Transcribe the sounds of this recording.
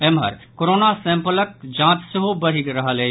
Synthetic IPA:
emɦɐ̰ɾkoɾoːnasẽmpələk̚d͡ʒãːt̪seɦobɐɾikɾɐɦəle

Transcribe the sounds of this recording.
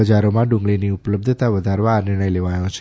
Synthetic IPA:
əd͡ʒaɾomãɖũŋɡɭiniupələb̚d̪ʱət̪aʋəd̪ʱaɾʋaːnɪɾɽ̃əjleʋajõt͡ʃʰ

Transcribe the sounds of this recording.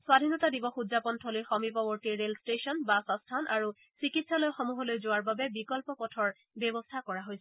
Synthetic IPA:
swadʱinɔtadibɔxudzapɔntʰɔlojxɔmipɔbɔɹtiːelstesɔnbasɔstʰanʔaɹu | sikitsalojxɔmuɦɔlojzoaɹbabɛbikɔlpɔpɔtʰɔɹ | bɛbɔstʰakɔɹaɦojs

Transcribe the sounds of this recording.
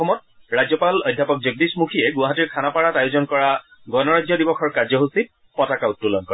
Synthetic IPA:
ɔmɔt̚ | ɹazjɔpalɔjdʱːapɔk̚zuɡ̚dismukʰijɛɡʊwaɦatiɹkʰanapaɹatajʊzɔnkɔɹa | ɡɔnɔɹazjɔdibɔxʰɔɹkazjɔɦusit̚ | pɔtakautːulɔnkɔɹ

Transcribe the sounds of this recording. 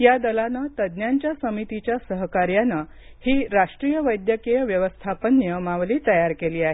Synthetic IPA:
jad̪əlanat̪əd̪njaɲt͡ɕjasəmit̪it͡ɕjasəɦkaɾjanːa | hiːɾaʂʈɾijəʋəjd̪jəkejəʋjəʋəst̪ʰapənːjəmaʋliːt̪əjaɾkeliːaɦe

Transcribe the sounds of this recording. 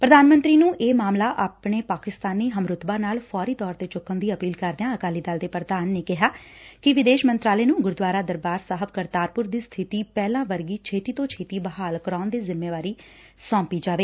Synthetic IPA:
pɾəd̪aːnmə̃nt̪ɾiːnũːʔeːmaːmlaːʔaːpɳeːpaːkɪst̪aːniːɦəmɾʊt̪baːnaːlfʰɔːɾiːt̪ɔːɾt̪eːt͡ʃʊkːənd̪iːəpiːlkəɾd̪eãːəkaːliːd̪əld̪eːpɾəd̪aːnːeːkɪɦaːkɪʋɪd̪eːʃmə̃nt̪ɾaːleːnũːɡʊɾd̪ʋaːɾaːd̪əɾbaːɾsaːɦəb̚kəɾt̪aːɾpʊɾd̪iːst̪ʰɪt̪iːpɛːlãːʋəɾɡiːt͡ʃʰeːt̪iːt̪õːt͡ʃʰeːt̪iːbəɦaːlkəɾaːnd̪eːzɪmːeːʋaːɾiː | sɔ̃ːmpiːd͡ʒaːʋeː

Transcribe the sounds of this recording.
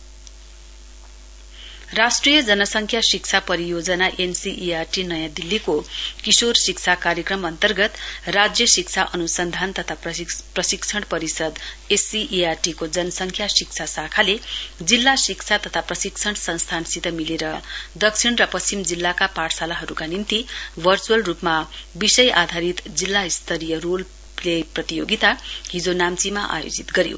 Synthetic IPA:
rasʈrijʌd͡zʌnʌsʌŋkʰjasik̚t͡sʰapʌɾijod͡zʌnaʔensiʔiarʈinʌjãd̪ilːikokisorsik̚t͡sʰakaɾjʌkrʌmʌnt̪ʌrɡʌt̪rad͡zjʌsik̚t͡sʰaʔʌnusʌnd̪ʱant̪ʌt̪ʰaprʌsiksʰʌɽ̃pʌɾisʌd̪ | esiʔiarʈikod͡zʌnʌsʌŋkʰjasik̚t͡sʰasakʰaled͡zilːasikt͡sʰat̪ʌt̪ʰaprʌsiksʰʌɽ̃sʌ̃nst̪ʰansit̪ʌmileɾʌd̪ʌksʰiɽrʌpʌsimd͡zilːakapaʈʰsalaɦʌɾukanint̪ibʱʌrt͡suʌlrupmabisʌjʔad̪ʱaɾit̪d͡zilːaist̪ʰʌɾijʌrol | leprʌt̪ijo̰ɡit̪aɦid͡zonamt͡simaʔa̰jo̰d͡zit̪ɡʌɾijo̰

